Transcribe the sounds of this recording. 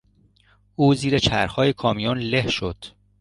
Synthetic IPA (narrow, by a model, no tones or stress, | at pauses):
ʔuːziːɾet͡ʃʰæɾxɒːjekʰɒːmijunlehʃod̪̥